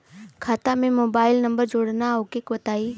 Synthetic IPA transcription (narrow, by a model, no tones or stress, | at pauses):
kʰaːt̪amẽmoːbaːɪlnɐ̃mbəɾd͡ʒoːɽnaokekʋɐt̪aːiː